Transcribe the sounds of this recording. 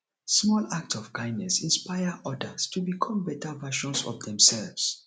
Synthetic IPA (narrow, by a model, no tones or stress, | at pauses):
smɔlak̚tɔv̥kãɪ̃ndnɛsĩnspaɪəʔɔdəstʰubikʰɔ̃mbɛtʰavaʃɔ̃nsɔ̰fdɛ̃msɛlvs